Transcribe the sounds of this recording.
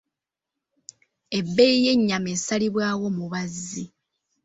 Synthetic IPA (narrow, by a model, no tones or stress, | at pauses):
e̞bːeije̞ɲːameːsaliβwaːwo̞muβazːi